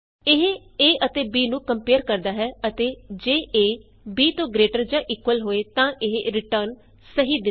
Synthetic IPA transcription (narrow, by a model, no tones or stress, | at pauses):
ɪɦ | eːʔət̪eːbiːnũːkəmpeːɾkəɾd̪aːɦɛːət̪eːd͡ʒeːʔeː | biːt̪õːɡɾeːʈəɾd͡ʒãːʔɪkʋəlɦoːeːt̪ãːʔɪɦɾɪʈəɾn | səɦiːd̪ɪ